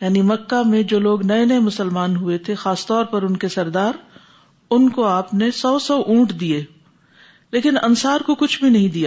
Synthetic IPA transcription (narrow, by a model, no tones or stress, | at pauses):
jaːnimɐkːamẽd͡ʒoːloːɡnɐenɐemʊsəlmaːnɦuet̪ʰexaːst̪ɔːɾpɐɾʊnkesɐɾd̪aːɾ | ʊnkoaːpnesɔːsɔːʔũːʈd̪ieː | leːkɪnɐ̰nsaːɾkokʊt͡ʃʰbʱinɐɦĩd̪ijaː